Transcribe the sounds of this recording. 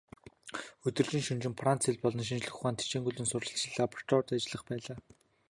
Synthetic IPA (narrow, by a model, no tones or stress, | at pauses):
ɵt̪ɵ̆rt͡ɕɪ̆nʃɵnt͡ɕɪ̆mfran̥t͡seɮpɔɮɞ̆nʃ̬int͡ɕɮɘ̆xχaːnt̪ʰi̥t͡ɕeːŋɡuɮɘ̆nsʊrɮə̆ɬt͡ɕiɮaːpʰrt̪ʰɔrt̪at͡ɕɪ̆ɮə̆χpæːɮaː